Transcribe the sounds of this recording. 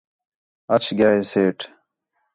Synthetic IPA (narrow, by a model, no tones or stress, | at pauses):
ɐt͡ɕʰɡaːeseːʈ